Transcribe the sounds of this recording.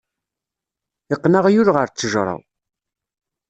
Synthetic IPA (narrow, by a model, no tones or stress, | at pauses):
iqːnaʁjʊɾʁəɾt͡sːəʒɾˤɑ̰w